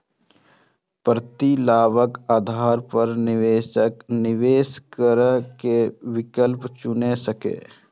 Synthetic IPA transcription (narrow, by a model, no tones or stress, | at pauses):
pɾət̪ilaːbəkaːd̪ʱaːɾpəɾnɪʋeːʃəknɪʋeːskəɾəkewɪkəlpt͡ʃʊnesəkḛː